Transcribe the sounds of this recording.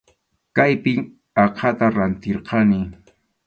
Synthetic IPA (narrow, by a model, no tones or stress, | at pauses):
kajpɪŋ | ɑqʰɑt̪aɾant̪ɪɾqʰɑnɪ